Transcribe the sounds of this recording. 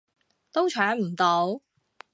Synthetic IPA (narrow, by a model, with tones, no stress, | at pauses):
t̪o˥wt͡ʃʰœː˨˥ŋm̩˨˩t̪o˨˧˥w